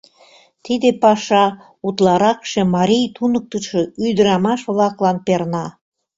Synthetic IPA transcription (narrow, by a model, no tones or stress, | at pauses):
t̪id̪epɑʃɑ | ut̪lɑɾɑkʃemɑɾʲijt̪unək̚t̪əʃeyjd̪əɾɑmɑʃβlɑklɑnpernɑ